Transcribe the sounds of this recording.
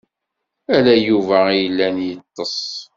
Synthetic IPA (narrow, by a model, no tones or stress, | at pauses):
ælæjuvæijəlːænjət̪ˤːəsˤ